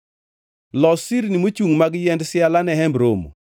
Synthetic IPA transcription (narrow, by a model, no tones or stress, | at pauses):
lɔsiɾnimot͡ʃuŋmaɡjɛndsɪalanɛɦɛmbɾomo̰